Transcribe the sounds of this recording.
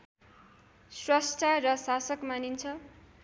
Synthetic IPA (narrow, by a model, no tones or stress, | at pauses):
srʌsʈʰarʌsasʌkmanint͡sʰʌ